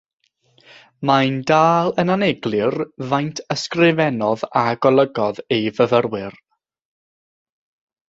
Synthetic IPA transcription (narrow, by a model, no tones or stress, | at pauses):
majndaːlˠənanɛɡlˠɨrvajntʰəskrɪvɛnɔðaɡɔlˠəɡɔðejvəvərwɪr